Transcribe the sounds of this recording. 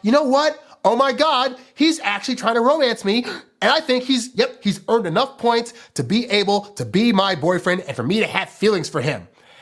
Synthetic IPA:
jɨnoʊwʌt̚oʊmaɪɡɑd̥̚hizæk̚t͡ʃʉl̩ˠitʰɹ̥aɪɪ̃ŋtʰəɹoʊ̃mæ̃nsmi | ɨ̃naɪθɪ̃ŋkhizjɛp̚hizɜ̃˞ndɨnʌfpʰɔ̃ɪ̃ntstʰɨbiʔeɪbl̩ˠtʰɨbimaɪbɔɪfɹɛ̃ndɨ̃nfə˞miɾɨɨv̥filˠɪ̃ŋz̥fə˞ɪ̰̃m

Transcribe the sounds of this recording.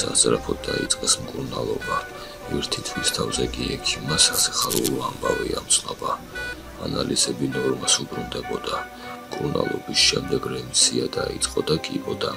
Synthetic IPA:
sazʼɾapʰɔd̪̚d̪ait̪sʼqʼɛsmkʼuuɾnalˠɔba | miɾt̪ʰit̪ʰvist̪ʰavzɛkʼiɛkʰimːasasḁχaɾulɔambaviamt̪sʼqʼaba | analizɛbinɔɾmasubɾund̪ɛbɔd̪a | mkʼuna̰lˠɔbisʃɛmd̪ɛɡɾɛnt̪sʰiad̪ait̪sʼqʼɔd̪akʼibɔd̪a

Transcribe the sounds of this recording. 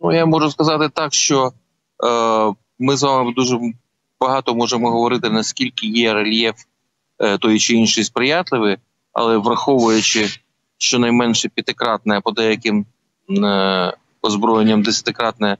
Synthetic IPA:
nujamɔʒʊskɐzɑt̪ɪt̪ɑkʃt͡ʃɔ | mɪzʋɑmɪd̪uʒɛ | b̥ɐɦɑt̪ɔmɔʒemɔɦɔʋɔɾɪt̪ɪnɐskʲilʲkɪjɛɾelʲjɛf | t̪ɔjit͡ʃɪinʃɪjspɾɪjɑt̪lˠɪʋɪ | ɐ̰lˠɛʋrɐxɔʋʊjʊt͡ʃɪ | ʃt͡ʃɔnɐjmɛnʃɛpʲɐt̪ɪkɾɑt̪̚nɛɛpɔd̪ɛjɐkɪm | ɔzbɾɔjɪnʲːɐmd̪esʲɐt̪ɪkɾɑt̪nɛɛ

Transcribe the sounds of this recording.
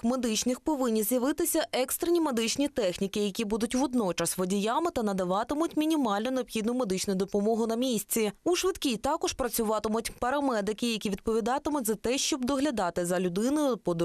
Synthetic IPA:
med̪ɪt͡ʃnɪxpɔʋɪnʲːizjɐʋɪt̪ɪsʲɐʔɛkst̪ɾɪnʲime̞d̪ɪt͡ʃnʲit̪ɛxnʲikɪjɐkʲibud̪ʊtʲʋɔd̪nɔt͡ʃɐsʋɔdʲijamɪt̪ɐnɐd̪ɐʋɑt̪ɪmʊtʲmʲinʲimɑlʲnɔneɔbxʲid̪nʊme̞d̪ɪt͡ʃnʊjd̪ɔpɔmɔɦʊnɐmʲisʲt͡sʲiuʃʋɪt̪kʲit̪ɑkɔʃpɾɐt͡sʲʊʋɑt̪ɪmʊtʲpɐɾɐmɛd̪ɪkɪjɐkʲiʋʲid̪̚pɔʋʲid̪ɑt̪ɪmʊtʲzɐt̪ɛʃt͡ʃɔbd̪ɔɦlʲɐd̪ɑt̪ɪzɐlʲʊd̪ɪnʊjʊpɔd̪

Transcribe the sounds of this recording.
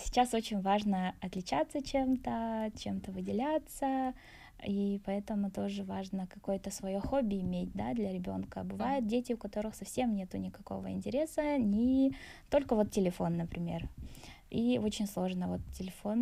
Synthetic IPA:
sʲɪ̥t͡ɕaso̞t͡ɕɪnʲvaʐnəɐt̪lʲɪt͡ɕat̪sːət͡ɕe̞mt̪ət͡ɕemt̪əvɨdʲɪlʲat̪sə | ipɐɛt̪əmʊt̪o̞ʐɨvaʐnəkɐko̞jt̪əsvɐjoxobʲːɪːmʲet̚ʲd̪ad̪lʲɐɾʲɪbʲo̞̰nkəbɨvajɪt̪̚dʲetʲɪʊkɐt̪o̞ɾɨxsɐfsʲemnʲe̞t̪ʊnʲɪkɐko̞̰və̰ɪ̰nʲtʲɪɾʲe̞sənʲɪt̪o̞lʲkəvo̞t̪tʲɪlʲɪfo̞nːəpɾʲɪmʲe̞̰r | io̞t͡ɕɪnʲslˠo̞ʐnəvo̞t̪tʲːɪlʲɪfo̞n

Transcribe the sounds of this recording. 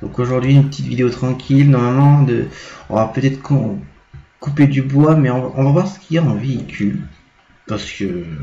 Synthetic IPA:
d̪̥ɔ̰̃koʒuʁd̪ɥiynpət̪it̪vid̪eot̪χɑ̃kʲʰilnɔʁmalmɑ̃d̪ə̰ɔ̰̃vapøt̪ɛt̪χəkɔ̃ | kuped̪ybwamɛɔ̃vaʔɔ̃vavwaʁsə̥kʰʲijaɑ̃veikʲʰyl | paʁsə̥kə

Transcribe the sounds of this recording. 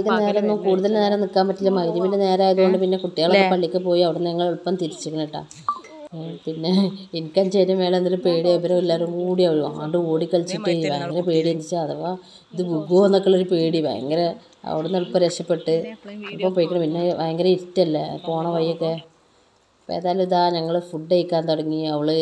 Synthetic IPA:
kːɐneːɾɐnːukuːɽuðɐlineneːɾɐnikːaːmpɐtːilːɐmɐɣɐðɐʋinlene̞ːɾaːjɐðuɣo̞ɳɖɨpinːe̞kuʈːijaːɭkːepɐɭːikʲːɨpo̞ːjiɐʋiɽenːɐŋːɐɭoɭpːɐmt̪iɾit͡ɕːukʲːɐɳiʈːa̰ː | pinːeenikʲːɐɲt͡ɕeːɾːɐmʋeːɭɐnːoɾupeːɽiɐbɾɐelːaːɾumkuːɽiɐʋɐɾuaːɳɖɨoːɽikːɐɭt͡ɕːiʈːɨejʋaeŋɡɐɾepeːɽiend̪it͡ɕːaɐðɐpoː | iðɨbuɡoːnːɐkːɐɭoɾupeːɽiʋa̰j̰ŋɡɐɾe | ɐ̰ʋiɽenːɐɭpːɐɾeʂɐpːeʈːɨɐɭpːɐmpoːjikːɐɳɐmpinːeʋɐ̰jeŋɡɐɾeiɾitːɐlːɐpoːɳɐʋɐjːokːe | ɐpːo̰ḛːðaːjɐlumiðaːɲɐŋːɐɭfuɖːejkːaːnt̪oɽɐŋːiɐʋɐɭɨ

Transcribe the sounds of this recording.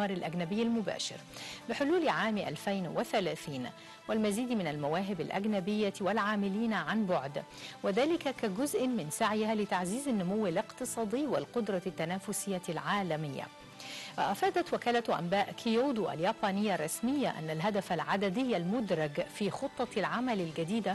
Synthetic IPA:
ɑːɾˤɪlʔaɡnabɪjːalmʊba̰ːʃɪ̰ɾbɪħʊluːlʕaːmʔa̰lfajnwɪθalaːθiːn | wɪlmaziːd̪mɪnalmawaːɦɪbalʔa̰ɡnabɪjːawɪlʕaːmɪliːnʕanbʊʕd̪ | wɪðaːlɪkakaɡʊzʔɪmɪnsaʕjɪhalɪt̪aʕziːzanːʊmʊwɪlɪqt̪ɨsˤɑːd̪ˤɪːwɪlqʊd̪ɾˤɑt̪ːanaːfʊsɪjːalʕaːlamɪjːa̰ | waʔafaːd̪at̪wɪkaːlaʔa̰mbaːʔkʰɪjoːd̪uʔa̰ljaːbɑːnɪjːarˤːɑsmɪjːaʔa̰nːalɦad̪afalʕad̪ad̪ɪjːalmʊd̪ɾˤɑɡfiːxʊt̪ˤːɑlʕamalɪlɡad̪iːd̪a

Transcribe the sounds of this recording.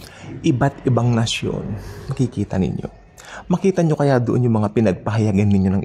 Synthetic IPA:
ʔɪbat̪ʔɪbaŋnɐsjo̰nnɐkikiːt̪ɐ̰nɪ̰ɲːo̞̰ | mɐkiːt̪ɐɲo̞kɐjad̪oʔonjʊŋmɐŋapɪnɐɡ̚pɐɦɐjɐɡanːɪɲo̞nɐŋʔ

